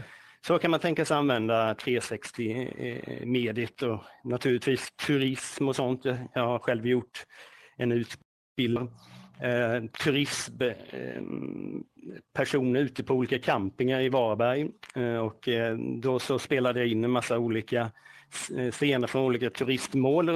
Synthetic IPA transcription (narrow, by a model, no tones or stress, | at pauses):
sɔkʰanmant̪ʰɛŋkasɛanvɛnd̪at̪ʰɾeːsɛkst̪ɪ | meːd̪ɪt̪ʰɔnat̪ʰʉːlɪt̪viːst̪ʰɵɾɪsmɔsɔnt̪ʰjɑjɑːɡhaɾɧɛlvjʊʈːɛnʉ̟ːt̪ | b̥ɪld̪ɾ | t̪ʰɵɾɪs | pʰæʂuːnəɾʉ̟ːt̪əpʰɔuːliːkakʰampɪŋaɾɪvɑːɾbæɾjɔkd̪ɔsɔspeːlad̪əjaɪnːɛmasːauːliːka | seːnəɾfɾɔnuːliːkat̪ʰɵɾɪst̪moːl